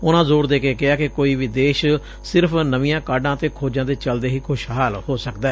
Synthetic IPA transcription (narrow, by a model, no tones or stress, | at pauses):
ʊnãːzoːɾd̪eːkeːkɪaːkɪkoːiːʋiːd̪eːʃ | sɪɾpʰnəʋiːãːkaːɖãːt̪eːkʰoːd͡ʒãːd̪eːt͡ʃəld̪eːɦiːkʰʊʃɦaːlhoːsəkd̪aː